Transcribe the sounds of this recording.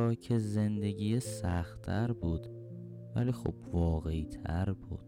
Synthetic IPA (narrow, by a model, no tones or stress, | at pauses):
ɒːcʰeze̞nd̪e̞ɟiːjesæxt̪ʰæɾbuːd̪ | væ̰liːxo̰b̥vɒːɣeit̪ʰæɾbṵːd̪̥